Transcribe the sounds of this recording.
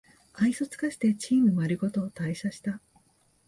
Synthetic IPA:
aisot͡sɨ̥kaɕi̥t̪e̞t͡ɕiːmɯ̟maɾʲiɡo̞t̪o̞ːt̪aiɕaɕi̥t̪a

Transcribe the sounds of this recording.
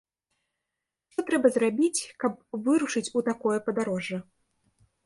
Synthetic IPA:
ʂt̪ɔt̪ɾɛbɐzrabʲit͡sʲkɐp̚vɨɾuʂɨt͡sʲut̪akɔjɐpɐd̪aɾɔʐːɐ

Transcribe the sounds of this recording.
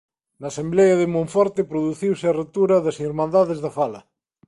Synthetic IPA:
nɐːsemblɛjɐðɪmõɱfɔɾt̪ɪpɾoðuθiwsɪɐret̪uɾɐðɐsiɾmãnd̪aðɪzðɐfalɐ

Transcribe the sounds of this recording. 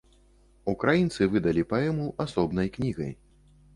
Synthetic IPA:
ukɾajint̪sɨvɨd̪ɐlʲipaɛmuʔasɔbnɐjknʲiɣɐ̰j

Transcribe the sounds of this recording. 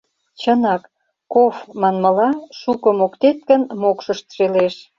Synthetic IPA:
t͡ɕənɑk | kofmɑnmə̆lɑʃukə̆mokt̪et̪̚kə̆nmokʃəʃt̪ʃeleʃ

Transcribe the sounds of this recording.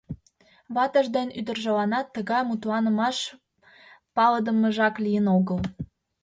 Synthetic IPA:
βɑt̪ə̆ʒd̪enyd̪ə̆rʒəlɑnɑt̪ːəɣɑjmut̪lɑnə̆mɑʃ | pɑləd̪əməʒɑklijənoɣəl

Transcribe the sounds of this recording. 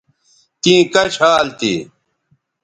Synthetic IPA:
t̪ĩːkɐɕaːlt̪ḭ

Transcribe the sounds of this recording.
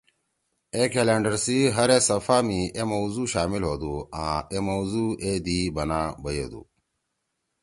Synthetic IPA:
eːkelẽːɳɖəɾsiɦɐɾesɐfaːmiemɐwzuːɕaːmilɦoːd̪uːãːemowzuːeːd̪ibɐnaːbɐjḛːd̪ṵː

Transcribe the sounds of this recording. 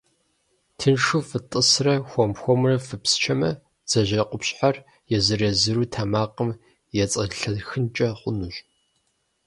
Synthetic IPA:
tʰɨnʂuːfɨtʼɨsrɐxʷɔmxʷɔmrɐfɨpst͡ʃʰɐmɐ | d͡z̥ɐʑɐqʷʊpɕʼħar | jɛzɨrɐzɨɾuːtʰamaːqəm | jɛt͡sʼɐɬɐɮxɨnt͡ʃʼɐχʷʊnuɕ

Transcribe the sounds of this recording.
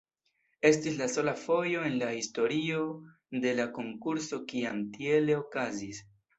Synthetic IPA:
e̞stislaso̞lafo̞jo̞e̞nlahisto̞ɾio̞ | de̞lako̞ŋkuɾso̞kiamtie̞le̞okazis

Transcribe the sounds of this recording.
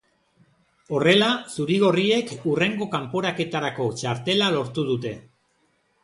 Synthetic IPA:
o̞re̞lasuɾiɣ̞o̞rie̞kure̞ŋɡo̞kampo̞ɾake̞t̪aɾako̞t͡ʃaɾt̪e̞lalo̞ɾt̪uð̞ut̪e̞

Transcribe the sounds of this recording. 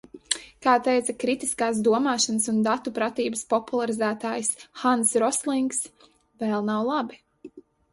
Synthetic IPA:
kaːt̪ɛjt̪sɐkɾit̪iskaːsd̪uɔmaːʃanəsund̪at̪upɾat̪iːbəspɔpulˠaɾizæːt̪aːjsxansɾɔslˠiŋks | vɛlˠnawlˠabi

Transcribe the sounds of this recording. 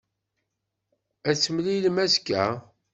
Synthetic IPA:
æt͡sːəmlilmæskːæ

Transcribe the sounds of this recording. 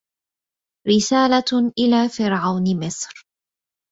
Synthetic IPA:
ɾɪsaːlaʔɪlaːfɪɾʕawnmɪsɾ

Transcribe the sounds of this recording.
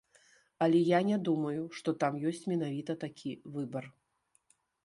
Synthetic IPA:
ɐlʲɛjanʲɛd̪umɐjuʂt̪ɔt̪amjɔsʲt͡sʲmʲɛn̪avʲit̪ɐt̪akʲʰivɨbɐr

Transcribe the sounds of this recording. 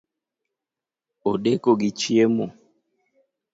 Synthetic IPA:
oɗekoɡit͡ʃiemo

